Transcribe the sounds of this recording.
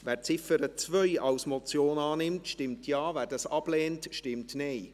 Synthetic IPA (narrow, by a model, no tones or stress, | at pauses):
vɛːɾt͡sɪfəɾət͡svœʏɑlsmɔt͡sjoːnɑːnɪmtʃtɪmtʰjɑːvæːdɑsɑb̥leːntʃtɪmtneɪ